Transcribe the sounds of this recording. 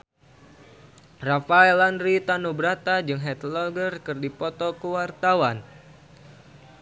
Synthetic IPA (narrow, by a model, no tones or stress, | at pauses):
rafaɛlanɾit̪anubɾat̪ad͡ʒɨŋɦɛt̪lɔɡərkɨrdipɔt̪ɔkəwart̪awan